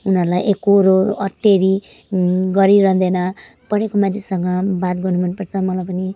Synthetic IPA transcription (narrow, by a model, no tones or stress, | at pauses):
unʌɾulajʔekoɾoʌʈːeɾi | ɡʌɾiɾʌɦd̪enʌ | pʌɽekomãt̪ʰisʌŋɡʌbat̪ɡʌnumanpʌrt͡sʰʌmʌlajpʌni